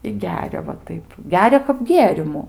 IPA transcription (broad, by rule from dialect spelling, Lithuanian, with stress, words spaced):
ɪ ˈɡʲæːrʲɛ ʋɐ ˈtɐɪp ˈɡʲæːrʲɛ kɐp ˈɡʲeːrʲɪmʊ